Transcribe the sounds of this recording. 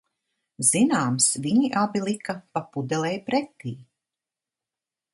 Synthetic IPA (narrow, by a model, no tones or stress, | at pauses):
z̥inaːmsviɲiʔabilˠikapapud̪ɛlɛjpɾɛt̪ːiː